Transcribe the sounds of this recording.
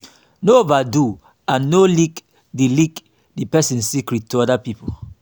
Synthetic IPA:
noovadu | ãnːolik | dilik | dipɛsĩnsikɹit̚tːuɔdapipʰo

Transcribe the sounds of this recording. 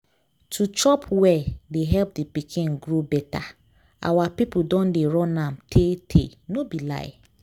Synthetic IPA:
tʰut͡ʃɔpʰwɛdeɦɛlp̚dipikʰɪ̃nɡɾobɛta | a̰wapip̩dɔ̃ndeɾɔ̃nãmtʰetʰḛnobila̰ɪ

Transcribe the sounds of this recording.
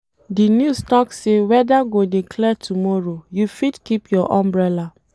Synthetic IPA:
dinjustɔksewɛdaɡodekʰlɛtʰumɔɹojufidkipjɔʔãmbɹɛla

